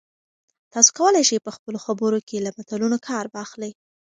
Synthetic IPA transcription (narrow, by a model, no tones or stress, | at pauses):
t̪ɑso̥kawəlajʃəjpəxpəloxabəɾokelamat̪alunokʰɑɾbɑːxləj